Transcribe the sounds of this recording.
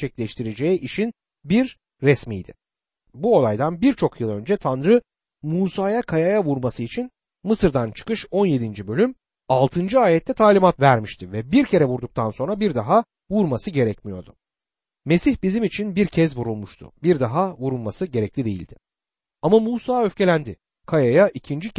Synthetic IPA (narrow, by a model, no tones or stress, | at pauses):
t͡ʃʰɛclʲɛʃt̪ʰiɾe̞d͡ʒeɛʔiʃin | biɾː | ɛsmḭjd̪ɪ̰ | buo̞lˠajd̪anbiɾt͡ʃʰo̞kʰjɯlˠø̞nd͡ʒɛt̪ʰanɾɯ | muːsaːjakʰajajavuɾmasɯit͡ʃʰin | mɯsɯɾd̪ant͡ʃʰɯ̥kɯʃo̞nje̞d̪ind͡ʒibø̞lʲym | alˠt̪ʰɯnd͡ʒɯaːjɛt̪ʰːɛt̪ʰaːlʲimat̪væɾmiʃt̪ʰivɛbiɾcʰe̞ɾɛvuɾd̪uk̚t̪ʰanso̞nɾabiɾd̪aɦa | vuɾmasɯɟe̞ɾɛcmijo̞̰ɾd̪ʊ | me̞siçbizimit͡ʃʰinbiɾcʰɛzbuɾulˠmuʃt̪ʰʊ̰biɾd̪aɦavuɾulˠmasɯɟe̞ɾɛclʲid̪e̞jḭlʲd̪ɪ | amamuːsaːø̞fcʰe̞lʲænd̪ɪ | kʰajajaʔicʰind͡ʒi